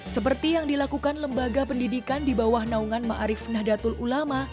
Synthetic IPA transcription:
səpərt̪ijaŋdilakukanləmbaɡapəndidikandibawahnauŋanma̰ʔaɾɪfnahdat̪ʊlulama

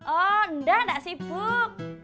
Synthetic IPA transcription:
ʔɔəndahndaʔsib̥ʊk̚

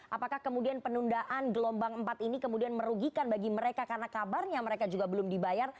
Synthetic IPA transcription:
ʔa̰pakahkəmudianpənundaʔanɡəlɔmbaŋəmpat̪inikəmudianməɾuɡikanbaɡiməɾekakarnakabarɲaməɾekad͡ʒuɡabəlʊmdibajar

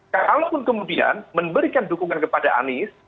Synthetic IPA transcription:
kalopʊnkəmudia̰nməmbəɾikandukuŋankəpadaʔa̰nɪs

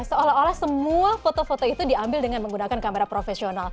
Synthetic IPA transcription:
səolaɦolahsəmuafot̪ofot̪oit̪udiambɪldəŋanməŋɡunakankameɾapɾofesional

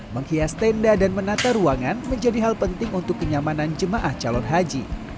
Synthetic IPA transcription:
məŋhiast̪aəndadanmənat̪aɾuaŋanməɲd͡ʒadiɦalpənt̪ɪŋunt̪ʊkːəɲamanand͡ʒəmaʔaht͡ʃalɔnɦad͡ʒi

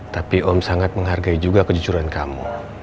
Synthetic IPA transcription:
t̪apiʔɔmsaŋat̪̚məŋɦarɡaid͡ʒuɡakəd͡ʒut͡ʃuɾankamṵ

